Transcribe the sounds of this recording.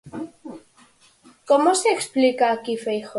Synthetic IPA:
komoseːksplikaːkifejxo

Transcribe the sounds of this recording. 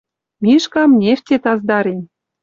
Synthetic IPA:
miʃkɑmnʲeft̪ʲet̪ɑzd̪ɑɾem

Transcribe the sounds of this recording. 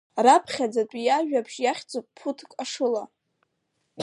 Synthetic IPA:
rapʰχʲad͡zatʷʼijaʒᶣabʒjaχʲt͡sʼopʼpʰutʰkʼaʂɨla

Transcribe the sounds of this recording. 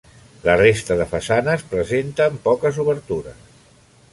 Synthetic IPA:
lərest̪əðəfəsanəspɾəzent̪əːmpɔkəzuβəɾt̪uɾə̰s

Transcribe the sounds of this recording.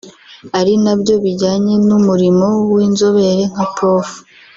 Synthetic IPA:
aɾinabɟo̞βiɟaːɲe̞numuɾimo̞wiːnzoβe̞ɾe̞ŋ̥apʰo̞ːfu̥

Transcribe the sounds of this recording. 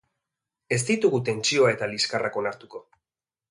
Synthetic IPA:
e̞st̪it̪uɣut̪e̞nt͡ʃio̞ae̞t̪aliskarako̞naɾt̪uko̞

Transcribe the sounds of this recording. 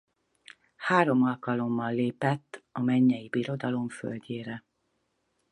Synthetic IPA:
haːɾo̞mɒlkɒlo̞mːɒlːeːpɛt̪ːɒmɛɲːɛjibiɾo̞d̪ɒlo̞ɱfø̰lɟeːɾɛ

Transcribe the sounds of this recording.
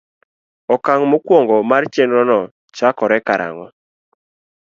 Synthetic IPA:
ɔkaŋmokwoŋɡɔmart͡ʃenɾɔnɔ | t͡ʃakɔɾɛkaɾa̰ŋɔ

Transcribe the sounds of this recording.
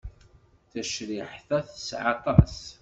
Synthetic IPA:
θæʃɾɪħθæθəsʕɑt̪ˤɑs

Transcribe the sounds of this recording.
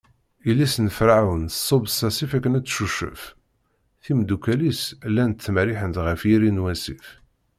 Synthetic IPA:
ilːisnfɾaʕawənsˤːobsæsifækːənæt͡sːʃuʃə̰f | θimd̪ukælislːænt̪θːmɾiħənt̪ʁəfjiɾinwæsif

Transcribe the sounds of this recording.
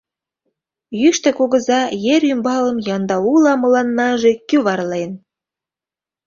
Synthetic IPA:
jyʃt̪ĕkoɣə̆zɑjeɾymbɑlə̆mjɑnd̪ɑulɑmɤ̆lɑnːɑʒekyβɑrlen

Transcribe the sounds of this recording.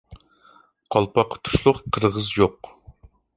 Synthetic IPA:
qʰɑlˠpʰɑqʰə̥t̪ʰu̥ʃlˠʊqqʰəɾʁəzjoq

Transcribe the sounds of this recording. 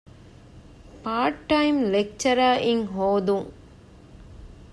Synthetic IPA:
paːɾʈːɐɪmlɛk̚t͡ʃɐɾaːʔɪŋɦoːd̪ũ

